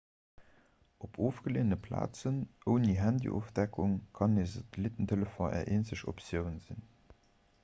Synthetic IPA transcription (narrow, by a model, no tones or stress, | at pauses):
ʔopʰoːfɡ̥əleːnəpʰla̰ːt͡sənʔəʊniɦændḭʔo̰fd̥ækʰuŋkʰɑneːzɑdlitəntʰələfõʔɛ̰ːɐʔeːnsəɕo̰psjəʊnzḭn